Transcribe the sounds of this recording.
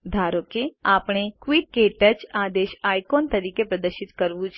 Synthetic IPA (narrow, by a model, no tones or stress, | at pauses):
d̪ʱaːɾõkeaːpɽ̃ekwiːʈ̚keːʈət͡ʃaːd̪eːʃaːjkoːnt̪ɐɾiːkepɾɐd̪əɾʃɪt̪kɐɾʋut͡ʃʰ